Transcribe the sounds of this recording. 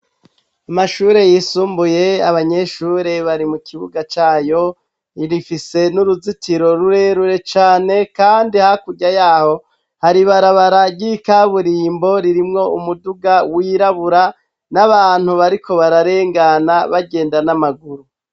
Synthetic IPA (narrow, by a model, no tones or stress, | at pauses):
amaʃuːɾe̞jiːsuːmbuje̞a̰βaɲe̞ʃuːɾe̞βaɾimukiβuɡat͡ʃaːjo̞ | iɾifise̞nuɾuzitiɾo̞ɾuɾe̞ɾuɾe̞t͡ʃaːne̞kaːndihakuɟajaːho̞ | haɾiβaɾaβaɾaɟikaβuɾiːmbo̞ɾiɾimŋo̞umuduɡawiɾaβuɾa | naβaːn̥huβaɾiko̞βaɾaɾe̞ːŋɡanaβaɡe̞ːndanamaɡuɾu